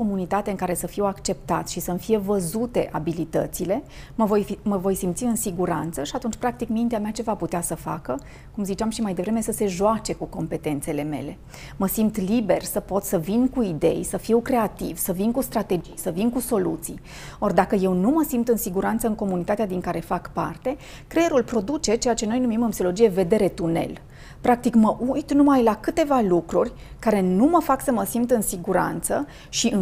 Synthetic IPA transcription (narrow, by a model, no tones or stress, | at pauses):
omunit̪at̪eɨŋkaɾe̞səfiwakt͡ʃe̞p̚t̪at̪sʃisəmfije̞vəzut̪e̞ʔabilit̪ə̰t̪sile̞ | məvojməvo̞jsimt̪siɨnsiɡuɾa̰nt̪səʃiat̪unt͡ʃʲpɾak̚t̪ikmint̪eameat͡ʃe̞vaput̪easəfa̰kə | kumzit͡ʃeamʃimajd̪e̞vɾe̞mesəse̞ʒoat͡ʃe̞kuko̞mpe̞t̪e̞nt̪se̞le̞me̞̰le̞ | məsimt̪libe̞rsəpo̞t̪səvinkuid̪ḛjsəfiwkɾe̞at̪ḭv̥səvinkust̪ɾat̪e̞d͡ʒijsəvinkuso̞lut̪sij | o̞rʲd̪akəje̞wnuməsimt̪ɨnsiɡuɾant̪səɨŋko̞munit̪at̪ead̪iŋkaɾe̞fakpa̰rt̪e̞ | kɾejeɾulpɾo̞d̪ut͡ʃe̞t͡ʃe̞jat͡ʃe̞no̞jnumimɨnpsiolod͡ʒijeve̞d̪e̞ɾe̞t̪une̞̰l | pɾak̚t̪ikməʔujt̪numajlakɨt̪e̞valukɾurʲ | kaɾe̞numəfaksəməsimt̪ɨnsiɡuɾa̰nt̪sə | ʃiɨ